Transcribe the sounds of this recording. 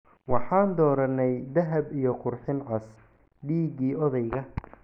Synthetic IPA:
wɑħɑːnd̪ɔːɾɐnɛjd̪ɐɦɐbijɞqʊrħɪnʕɑs | ɖiːɣiːɔðɛjɣɐ

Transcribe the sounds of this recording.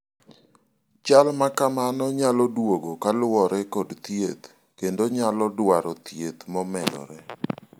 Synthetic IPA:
t͡ʃalmakamanɔɲalɔdwoɡokalwɔɾɛkɔdt̪jet̪ | kendoɲalɔdwaɾɔt̪jet̪mɔmɛlɔ̰ɾɛ

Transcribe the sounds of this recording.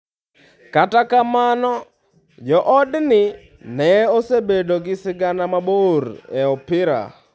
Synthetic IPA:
katakamanɔ | d͡ʒɔʔɔdnɪ | nɛosebedoɡɪsɪɡanamaboɾɛɔpɪɾa̰

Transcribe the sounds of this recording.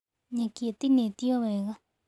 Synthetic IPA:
ɲãkiet̪inẽt̪ioβeɣa

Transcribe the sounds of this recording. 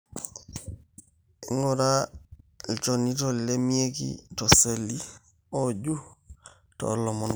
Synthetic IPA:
iŋɡɔɾa | lt͡ʃonitollemiekḭtoselːi | oɟu | to̰lːɔmɔn

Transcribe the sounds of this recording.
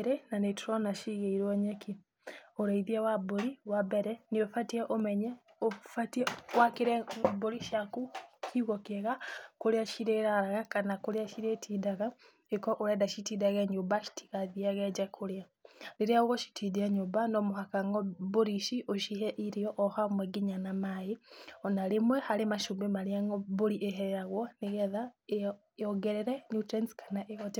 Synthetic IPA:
ɾenanetuɾɔnaʃiɣeiɾwɔɲɛki | oɾaiðiawaboɾiwabɛɾɛniofatiɛʔomɛɲɛ | ofatiɛwakiɾɛboɾiʃakukiɣɔkɛɣakoɾeaʃiɾeɾaɾaɣakanakoɾeaʃiɾetʰidaɣa | ekoʔuɾedaʃitidaɣeɲubaʃi̥tʰi̥ɣaðiaɣed͡ʒakʰulja | liɾiauɣoʃi̥tʰidieɲubanomuɦakaŋɡobuɾiʃiʔoʃiɦeʔiɾijoʔːhamweɡiɲanamajionalimwehalimaʃumbemaliaŋɡoβuliʔeɦeɾeɾaɣwoneɣeða | oɡeɾeɾenutɾenskʰḁnaʔehote

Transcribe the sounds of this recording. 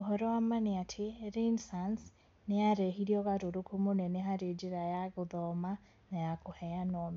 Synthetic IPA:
oɦɔɾɔwamaneatʰeɾinsans | neaɾɛhiɾiɔɣaɾoɾokʰumonɛneɦaɾed͡ʒiɾajaɣoðɔma | najakohɛjanɔmi

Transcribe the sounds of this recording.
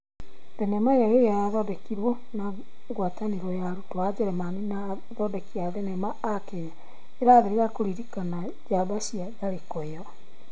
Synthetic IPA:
ðɛnɛmaeɾaeaðɔdɛkiɾwo | na | ɡwataneɾɔjaɾutwad͡ʑeɾɛmanena | ðɔdɛkiaðɛnɛmaːkeja | eɾaːðeɾeɾakoɾiɾikana | d͡ʑaβasiaɡaɾekɔjɔ

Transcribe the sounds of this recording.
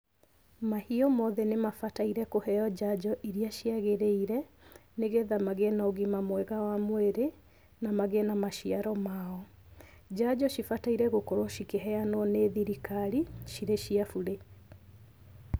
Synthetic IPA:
mahiɔmɔðɛnemafataiɾɛkohɛɔd͡ʑad͡ʑɔʔiɾiaʃiaɣeɾeiɾɛ | neɣeðamaɣenaoɣimamwɛɣawamweɾe | namaɣenamaʃiaɾɔmaɔ | d͡ʑad͡ʑɔʃifataiɾɛɣokoɾoʃikeɦɛanɔneðiɾikaɾiʃiɾeɕiafuɾe

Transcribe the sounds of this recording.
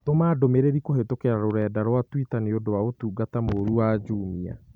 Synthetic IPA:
tomaːdomeɾeɾikohetokeɾaɾoɾɛːdaɾwatwitaneodowaotuːɡatamoɾuwaːd͡ʒuːmia̰

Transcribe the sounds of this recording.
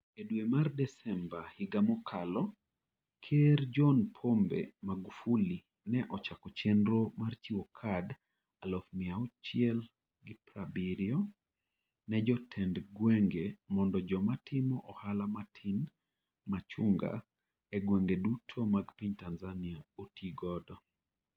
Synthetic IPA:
edwemardɛsɛmbahiɡamɔkʰalɔ | kʰeɾd͡ʒɔnpʰombḛmaɡufuli | nɛʔɔt͡ʃakɔt͡ʃendɾomart͡ʃiwɔkʰad | alɔfmɪaut͡ʃiɪɛl | ɡɪpɾabiɾjɔ | nɛd͡ʒɔtʰɛndɡwɛŋɡemɔndɔd͡ʒɔmatʰɪmɔʔɔhalamatʰin | mat͡ʃuŋɡa̰ | ɛɡwɛŋɡedutʰomaɡpiɲtanzaniaotʰiɡɔdɔ

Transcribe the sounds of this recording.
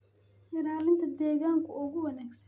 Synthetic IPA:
ʔɪɾaːlɪnt̪ʰɐd̪ɛːɣaːŋkʰʊʊɣʊwɐnaːɡsɐn

